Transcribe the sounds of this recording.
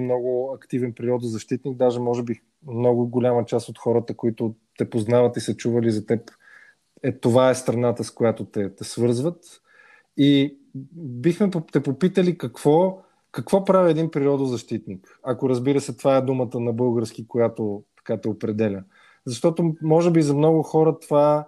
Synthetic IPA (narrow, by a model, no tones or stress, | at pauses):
mnɔɡʊɐkt̪ivɛnpɛɾiɔd̪ʊzɐʃt̪it̪niɡ̚d̪aʒɛmɔʒɛbi | mnɔɡʊɡolʲamət͡ʃasot̪xɔɾət̪əkoit̪ʊt̪ɛpoznavət̪isɐt͡ʃuvəlizɐt̪ɛp | ɛt̪ovaɛst̪ɾɐnat̪əskojat̪ot̪ɛt̪ɛsvɤɾzvət̪ | i | bixmɛt̪ɛpopit̪əlikɐkv̥ɔ | kɐkv̥ɔpɾaviɛd̪inpɾiɔd̪ʊzɐʃt̪it̪nik | ɐkʊɾɐzbiɾəsɛt̪vaɛd̪umət̪ənɐbɤlˠɡəɾskikojat̪ot̪ɐ̥kat̪ɛopɾɛd̪ɛlʲə | zɐʃt̪ɔt̪omɔʒɛbizɐmnɔɡʊxɔɾət̪ova